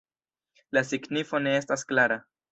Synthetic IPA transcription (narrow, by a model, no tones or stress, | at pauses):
lasiɡnifo̞ne̞e̞stasklaɾa